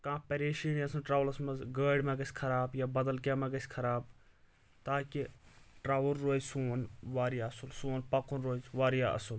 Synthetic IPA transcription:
kãːpɐɾeːʃiniɐsɐnʈɾaːʋlɐsmɐzɡəːɖmẽɡɐsʲkʰɐɾaːbjaːbɐd̪ɐlkaːmẽɡɐsʲkʰɐɾaːb̚ | t̪aːkiʈɾaːʋulɾoːzsuːnʋaːɾijaːɐsulsuːnpɐkunɾoːzʋaːɾijaɐ̰sun

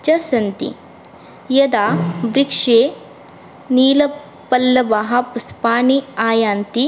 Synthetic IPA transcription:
t͡ʃɐsɐnt̪ḭ | jɐd̪aːbɾikʂeː | niːlɐ | pɐlːɐbaɦɐpɐspaːniaːjaːnt̪i

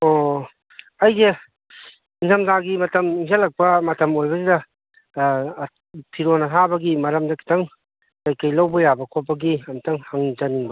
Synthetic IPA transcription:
o | ɐjze | inzʰɐmzaɡimɐtɐmiŋsʰalːɐk̚pɐmɐtɐmojbɐsidɐ | pʰiɾonɐɦabɐɡimɐɾɐmdɐkʰi̥tʰɐŋ | kajkajlawbɐjabɐkʰopːɐɡiɐmtʰɐŋhaŋzɐniŋbɐ

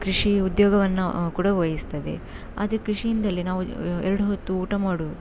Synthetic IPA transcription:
kɾiʂiud̪joːɡɐʋɐnːɐkuːɽɐʋɐjist̪ɐd̪ḛ | a̰ːd̪ɐɾekɾiʂijind̪ɐlːinaːʋuɛɾɐɽuɦot̪ːuːʈɐmaːɽu

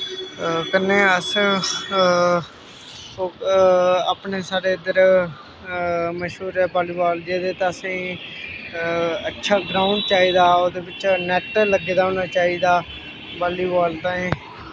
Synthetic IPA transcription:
kənːeːəs | oː | aːpneːsaːɾeːəd̪əɾ | məʃuːɾɛːbaːliːbaːld͡ʒeːd̪eːt̪aəsẽː | ətːʃʰaːɡɾaːʊɳɖt͡ʃaːiːd̪aːoːd̪eːbɪt͡ʃnɛʈləɡeːd̪aːɦoːnaːt͡ʃaːiːd̪aː | baːliːbaːlt̪ãːẽː

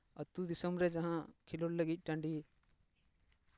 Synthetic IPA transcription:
ɐt̪ud̪isəmɾɛd͡ʒɐ̃ɦãkʰiloɽləɡic̪̚ʲˀʈɐɳɖi

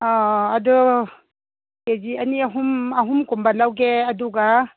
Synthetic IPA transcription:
ɔadu | ked͡ʒianiaɦumaɦumkumbalawɡeaduɡa

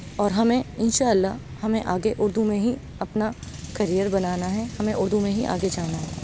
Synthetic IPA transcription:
ɔːɾɦɐmẽɪnʃaːəlːaɦ | hɐmẽʔaːɡeʔʊɾd̪umẽɦi | ɐpna | kɐɾijəɾbɐnaːnaɦɛhɐmẽʔʊɾd̪umẽɦḭʔa̰ːɡed͡ʒaːnaɦɛː

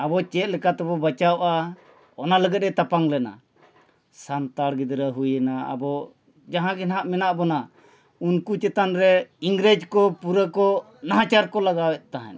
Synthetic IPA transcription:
abɔt͡ʃɛt̪̚ˀlɛkat̪ɛbɔbat͡ʃawʔa | ɔnaləɡɛt̪̚ɾɛt̪apaŋlɛna̰ | sant̪aɽɡid̪ɾəɦujɛnaa̰bɔ | d͡ʒaɦãɡɛnɦaʔmɛnaʔbɔna | unkut͡ʃɛt̪anɾɛiŋɡɾed͡ʒkɔpuɾəkɔ | naɦãt͡ʃaɾkɔlaɡawɛʔ̪̚t̪aɦɛ̰̃n

